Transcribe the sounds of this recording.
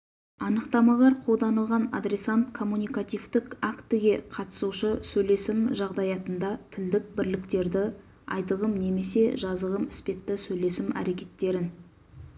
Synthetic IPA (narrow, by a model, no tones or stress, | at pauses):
ɑnəqt̪ɑmɑlˠɑɾqʰo̞lˠd̪ɑnəlˠʁɑna̰d̪ɾʲe̞sant̪kʰo̞mːunijkat̪ijvt̪ɪkakt̪ɪɡʲe̞qʰɑt̪ə̥suʃəsɵjle̞sɪmʒɑʁd̪ɑjɑt̪ənd̪ɑt̪ʰɪld̪ɪk̚bɪɾlɪkt̪e̞ɾd̪ɪ | ɑjt̪əʁəmne̞me̞se̞ʒɑzəʁəmɪspe̞t̪ːɪsɵjle̞sɪmæ̰ɾe̞kʲe̞t̪ːe̞ɾɪn